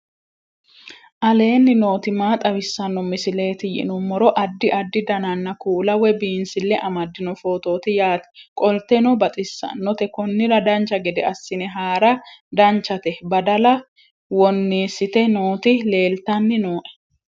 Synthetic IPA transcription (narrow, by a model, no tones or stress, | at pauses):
ʔɐle̞ːnːɪno̞ːt̪ɪmaːt̪ʼɐwɪsːɐnːɔmɪsɪle̞ːt̪ɪjɪ̰nʊmːɔɾɔʔɐd̪ːɪʔɐd̪ːɪd̪ɐnɐnːɐkuːlɐwɛbiːnsɪlːɛʔɐmɐd̪ːɪnɔfo̞ːt̪o̞ːt̪ɪjaːt̪ɛ̥kʼɔlt̪ɛnɔbɐt̪ʼɪsːɐ̰nɔt̪ɛkɔnːɪɾɐd̪ɐnt͡ʃːɐɡɛd̪ɛɐsːɪnɛɦaːɾɐd̪ɐnt͡ʃːɐt̪ɛbɐd̪ɐlɐ | wɔnːiːsːɪt̪ɛnoːt̪ɪle̞ːlt̪ɐnːɪnoːʔɛ̥